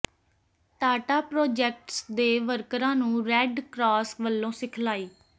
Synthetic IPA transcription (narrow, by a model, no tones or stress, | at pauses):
t̪aːʈaːpɾoːd͡ʒɛːk̚ʈsd̪eːʋəɾkɾãːnũːɾɛːɖkɾaːsʋəlːõːsɪkʰlaːiː